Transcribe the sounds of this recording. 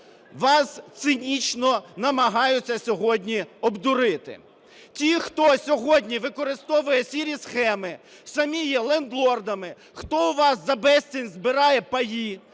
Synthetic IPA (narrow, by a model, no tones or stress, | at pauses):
ʋɑst̪sɪnʲit͡ʃnɔnɐmɐɦɑjʊt͡sʲːɐsʲɔɦɔdʲnʲiɔbd̪ʊɾɪt̪ɪ̰ | tʲixt̪ɔsʲɔɦɔdʲnʲiʋɪkɔɾɪst̪ɔʋʊjɛsʲiɾʲisxɛmɪ | sɐmʲijɛlˠɛnd̪lˠɔrd̪ɐmɪ | xt̪ɔʊʋɑsːɐbɛsʲt͡sʲinʲzbɪɾɑjɛpɐji